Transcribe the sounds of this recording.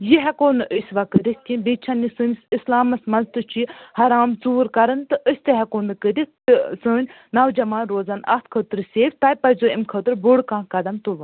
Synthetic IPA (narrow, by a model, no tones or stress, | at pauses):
jiɦɐkoːnɨʔəsʲʋakəɾʲisk̪ʲinʲbit͡ʃʰɐnːisɨːnʲsislaːmɐsmɐnzt̪ɨt͡ʃʰihɐɾaːmt͡suːɾkɐɾɐnt̪ɨʔəsʲt̪eɦɐkoːnɨkəɾist̪ɨsɨːnʲ | nɐwd͡ʒɐmaːnɾoːzɐnɐ̰t̪̚ʰkʰəːt̪ɨɾsʲeːfʲt̪ɐjʲpɐzoːimkʰəːt̪ɨɾbuɽkãːkɐd̪ɐmt̪uʋɐn